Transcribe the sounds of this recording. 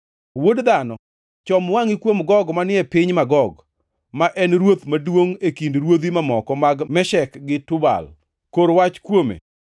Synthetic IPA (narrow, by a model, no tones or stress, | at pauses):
wodd̪anɔ | t͡ʃɔmwaŋikwomɡɔɡmanɪɛpɪɲmaɡɔɡ | maʔɛnɾwot̪madwoŋekindɾwod̪imamɔkɔmaɡmɛʃɛkɡɪtʊba̰l | koɾwat͡ʃkwomḛ